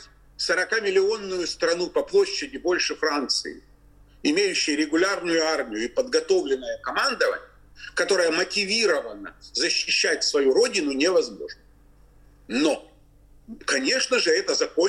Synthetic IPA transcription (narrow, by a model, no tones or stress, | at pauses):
səɾɐkamʲɪlʲɪo̞nːʊjʊst̪ɾɐnupɐplˠo̞ɕːɪdʲɪbo̞lʲʂɨfɾant̪sɨ̰ɪ̰ | ɪmʲejʉɕːɪjəɾʲɪɡʊlʲarnʊjʊarmʲɪjʊɪpəd̪ɡɐt̪o̞vlʲɪnːəjəkɐmand̪əvə̰nʲɪjəkɐt̪o̞ɾəjəmətʲɪvʲiɾəvənə̰zəɕːɪɕːæt̚ʲsvɐjuɾo̞dʲɪnʊnʲɪvɐzmo̞̰ʐnə | no̞ | kɐnʲe̞ʂnəʐɨɛt̪əzɐko